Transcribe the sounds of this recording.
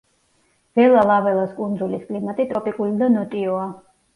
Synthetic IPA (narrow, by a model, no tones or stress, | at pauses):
v̥ɛlalˠavɛlˠaskʼund̪zuliskʼlimat̪ʼit̪ʼɾɔpʼikʼulid̪anɔt̪ʼiɔa